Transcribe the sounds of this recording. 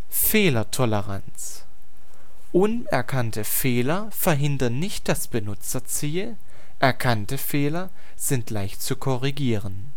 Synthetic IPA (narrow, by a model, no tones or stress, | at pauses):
feːlɐtʰɔləʁa̰nt͡s | ʔʊn | ɛ̰ɐkʰantəfeːlɐ | fɛɐɦɪndɐnnɪçt̚d̥asb̥ənʊt͡sɐt͡siːl | ʔɛɐkʰantəfeːlɐ | z̥ɪntlaɪçtt͡sukʰɔʁiɡiːʁən